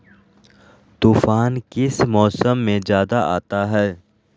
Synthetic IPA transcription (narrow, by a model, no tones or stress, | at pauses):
t̪uːfaːnkɪsmɔːsəmːẽzjaːd̪aa̰ːt̪aɦɛː